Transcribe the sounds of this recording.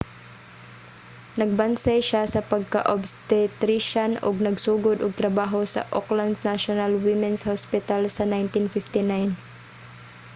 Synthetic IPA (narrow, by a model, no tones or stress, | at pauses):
nɐɡ̚bansajʃasɐpɐɡ̚kɐ̰ʔobst̪ɪt̪ɾɪʃanʊ̰ɡ̚nɐɡsuːɡʊd̪ʊɡ̚t̪ɾɐbaːɦosɐ̰ʔokland̪snaʃonalwɪmɛnshospɪt̪alsɐnajnt̪ɪnfɪft̪ɪnajn